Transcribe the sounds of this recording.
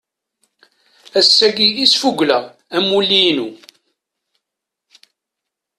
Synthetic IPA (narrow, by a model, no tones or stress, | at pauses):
æsːæɡijisfuɡʷləʁ | æmulːinu